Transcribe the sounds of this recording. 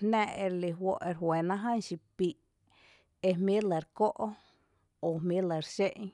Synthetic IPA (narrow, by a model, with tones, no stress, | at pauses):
næ̃˧ʔe˧ɾli˧ɦwo˧ʔe˧ɾɦwe˨nã˦ɦa˦˨nʃi˧pi˧˨ʔ | e˧mjĩ˦lə˨ɾko˦ʔo˦ | o˨mmĩ˦lə˧˨ɾʃe˦ʔ